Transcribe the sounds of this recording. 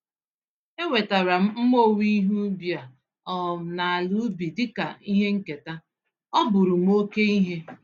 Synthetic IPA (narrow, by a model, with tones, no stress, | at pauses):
e˦we˨ta˨ɾa˨m̩˦mo˦˨wi˦ɦu˦bja˨ | ɔ˨na˨a˨lu˦bi˨dɪ˦ka˨i˦ɦe˦ŋ̩˦ke˨ta˦ | ɔ˦bʊ˨ɾʊ˨m̩˦o˦ke˦i˦ɦe˦